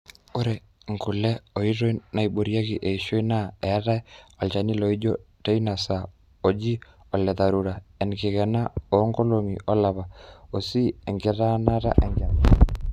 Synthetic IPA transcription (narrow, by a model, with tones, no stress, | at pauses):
o˦ɾɛ˨ | ŋɡʊ˨lɛ˦o˨i˦ɾo˦ina˨i˨bo˨ɾja˦ɣɪ˨ʔe˨i˨ʃo˦i˦na˦ɛ˨˦ɾa˦ɛ˦ɔ˨t͡ʃa˨ni˦lo˨i˦d͡ʒo˦te˦i˦na˨sa˨ | o˨d͡ʒi˦ | ɔ˨lɛ˨ða˨ɾu˨ɾa˨ɛ˨nkɪ˨ɣɛ˨na˦o˨˦ŋɡo˦lo˨ŋi˨ɔ˦la˨βa˨o˨si˦ɛ˨ŋɡɪ˦ɾa˦na˦ɾa̰˦ʔɛ˨ŋɡɛ˨ɾa˨a˨